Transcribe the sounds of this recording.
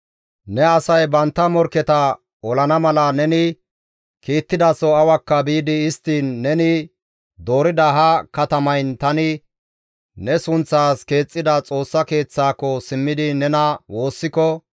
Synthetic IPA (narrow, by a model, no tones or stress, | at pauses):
nɛɐsɐjbɐnt̪ːɐmɔɾkːɛt̪ɐ | ɔlɐnɐmɐlɐnɛnɪ | kiːt̪ːɪd̪ɐsɔɐwɐkːɐbiːd̪ɪɪst̪ːiːnːɛnɪ | d̪o̞ːɾɪd̪ɐɦɐkɐt̪ɐmɐjnt̪ɐnɪ | nɛsʊnt͡sːaːske̞ːt͡sʼːɪd̪ɐt͡sʼo̞ːsːɐke̞ːt͡sːaːkːɔsɪmːɪd̪ɪnɛnɐwo̞ːsːɪkɔ